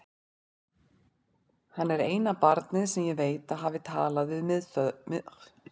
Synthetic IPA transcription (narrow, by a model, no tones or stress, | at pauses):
hanːɛɾeːjnapaɾt̪nɪðsɛmjɛɣveːjt̪aðɦaːvɪt̪ʰaːlaðvɪðmðm